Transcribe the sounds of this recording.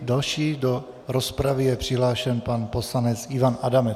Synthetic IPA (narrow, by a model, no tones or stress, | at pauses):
dalʃiːdo̞ | ɾo̞spɾavɪjɛpr̝̥ɪɦlaːʃɛnpanpo̞slanɛt͡sɪvanʔadamɛ